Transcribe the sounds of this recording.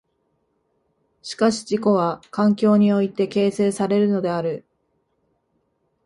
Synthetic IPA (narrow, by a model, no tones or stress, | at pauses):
ɕi̥kaɕi̥d͡ʑiko̞β̞akãŋkʲo̞ːɲ̟io̞it̪e̞ke̞ːse̞ːsaɾe̞ɾɯ̟no̞d̪e̞aɾɯ̟